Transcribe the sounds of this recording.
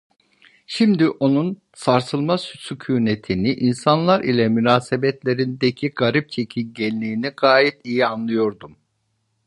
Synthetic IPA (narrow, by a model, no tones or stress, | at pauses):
ʃimd̪iʔo̞nun | saɾsɯlˠmassycʰuːne̞t̪ʰiniʔinsanlˠaɾʔilʲɛmynaːsebɛt̪ʰlʲe̞ɾind̪ecʰiɡaɾip̚t͡ʃʰe̞cʰimɟɛlʲːiːniɡaːjit̪ijianlˠɯjo̞ɾd̪um